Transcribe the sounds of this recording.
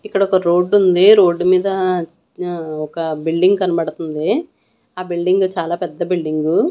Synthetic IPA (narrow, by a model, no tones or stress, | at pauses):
ikːɐɽɐɔkɐɾo̞ːɖːund̪iɾo̞ːɖːumiːd̪ɐ | ɔkɐbilɖiŋɡkɐnibɐɽut̪und̪i | aːbilɖiŋɡut͡ʃaːlaːpɛd̪ːɐbilɖiŋɡu